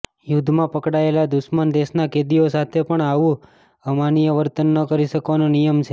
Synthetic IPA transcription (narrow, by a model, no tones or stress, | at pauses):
jud̪ʱmãpəkɽaelad̪ʊʃmənd̪eʃnaked̪iosat̪ʰepəɳaʋũ | əmanijəʋəɾt̪ənːəkəɾiʃəkʋanõnijəmt͡ʃʰe